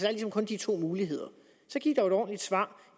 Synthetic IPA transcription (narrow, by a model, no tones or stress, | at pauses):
d̥ɑæɐlisɒ̽mkʰɔ̽nd̥it͡sʰo̝̰ːmuːliɦe̝ð̰ˠɐ | sɒ̽ɡ̥ḭd̥ɑed̥ɒ̰ːn̩lid̥sʋɑ̰̈ː